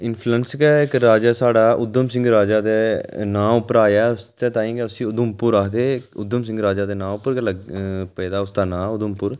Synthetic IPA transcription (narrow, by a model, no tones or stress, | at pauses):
ɪnpʰlənskɛːɪkɾaːd͡ʒaːsaːɖaːʔʊd̪əmsɪ̃ŋɡɾaːd͡ʒaːd̪eːnãːʊpəɾaːjaːʊst̪eːt̪ãːĩːkɛʊsĩːʊd̪əmpʊɾaːkʰd̪eːʊd̪əmsɪ̃ŋɡɾaːd͡ʒaːd̪eːnãːʊpəɾkələpɛːd̪aːʊst̪aːnãːʊd̪əmpʊɾ